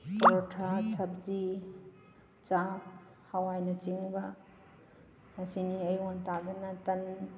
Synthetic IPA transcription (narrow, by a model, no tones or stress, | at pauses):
pɔɾɔtʰat͡ʃʰɐp̚d͡ʒi | t͡ʃap̚ | hawajnɐt͡ʃiŋbɐ | mɐsiniɐjwantadɐnɐtɐn